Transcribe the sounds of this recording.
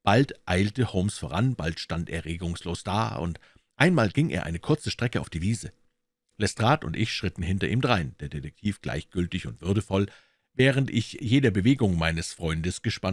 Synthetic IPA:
b̥altʔaɪltəhoʊmsfoːʁanb̥altʃtantɛ̰ɐʁeːɡʊŋsloːsd̥a̰ːʊ̰nt | ʔaɪnmaːlɡɪŋʔḛːɐʔaɪnəkʰʊɐt͡səʃtʁ̥ɛkəa̰ʊfd̥iːviːzə | lɛstʁ̥aːtʊ̰ntʔɪçʃʁ̥ɪtn̩ɦɪntɐʔiːmdʁaɪnd̥eːɐdetɛk̚tʰiːfɡ̥la̰ɪçɡ̥ʏltɪçʊntv̥ʏɐɾəfɔl | vɛːʁ̞əntʔɪ̰çjeːdɐbəveːɡʊŋmaɪnəsfʁ̥ɔʏndəsɡ̥əʃpan

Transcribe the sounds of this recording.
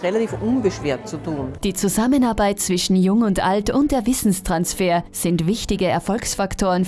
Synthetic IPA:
ʁelatiːfʔʊnbəʃv̥eːɐt̚t͡sutʰuːnd̥iːt͡suzamənaɐbaɪt̚t͡sv̥ɪʃn̩jʊŋʊntʔa̰ltʊnt̚d̥eːɐvɪsn̩stʁ̥ansfeːɐz̥ɪntv̥ɪçtɪɡəɛɐfɔlksfaktʰoːʁən

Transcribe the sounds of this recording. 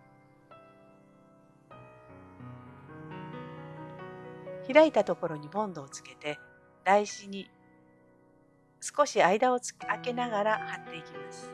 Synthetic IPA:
çiɾait̪at̪o̞ko̞ɾo̞ɲ̟ibõ̞nd̪o̞ːt͡sɨ̥ke̞t̪e̞ | d̪̥aiɕiɲ̟i | sɨ̥ko̞ɕiaid̪ao̞̥ake̞naɡaɾahat̪ːe̞ikʲimasɨ̥

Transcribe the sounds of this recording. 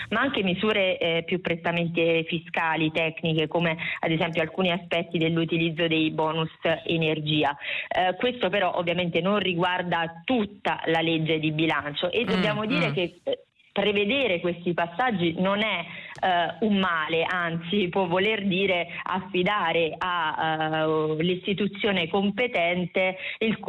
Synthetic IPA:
maaŋkemizuːɾepjupːɾet̪ːament̪efiskaːlit̪ɛknikekomead̪ezɛmpjoalkuːniaspɛt̪ːid̪elːut̪ilid̪zːod̪ejbɔːnusenerd͡ʒiːakwest̪opeɾɔʔovːjament̪enonriɡward̪at̪ut̪ːa̰laled͡ʒːed̪ibilant͡ʃoʔed̪ːobjaːmod̪iːɾek̟e | pɾeved̪eːɾekwest̪ipasːad͡ʒːinonɛ | umːaːleʔant̪sipwɔvːolerd̪iːɾea̰fːid̪aːɾea | list̪it̪ut̪sːjoːnekompet̪ɛnt̪eilk

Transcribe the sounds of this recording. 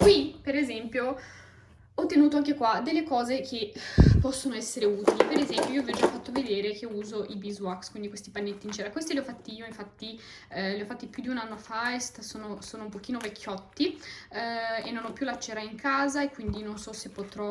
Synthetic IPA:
kwipeɾezɛmpjo | ɔt̪ːenuːt̪oaŋk̬ekwad̪elːekɔːzekʰepːɔsːonoɛsːeɾeuːt̪ilipeɾezɛmpjoioɔvɛd͡ʒafːat̪ːoved̪eːɾek̟euːzoʔibizwakskwind̪ikwest̪ipanːet̪ːiːnt͡ʃɛːɾakwest̪ileɔfːat̪ːiiːoiɱfat̪ːi | leɔfat̪ːipjud̪iunanːofaest̪soːnosoːnoumpok̟iːnovekʰːjɔt̪ːi | enːonɔpːjulat͡ʃːeːɾaiŋkʰaːzaekːwind̪inonsɔsepːot̪ɾɔ

